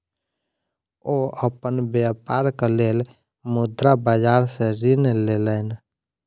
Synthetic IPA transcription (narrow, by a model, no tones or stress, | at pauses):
oəpənbəpaɾklel | mud̪ɾabəd͡ʒaɾsẽɾinlelən